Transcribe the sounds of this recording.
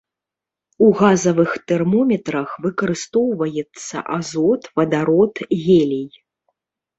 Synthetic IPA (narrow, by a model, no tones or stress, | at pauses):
uɣazɐvɨxt̪ɛrmɔmʲɛt̪ɾɐxvɨkɐɾɨst̪ɔwvɐjɛt̪sːɐ̰ʔazɔt̪vɐd̪aɾɔt̪ɣʲɛlʲij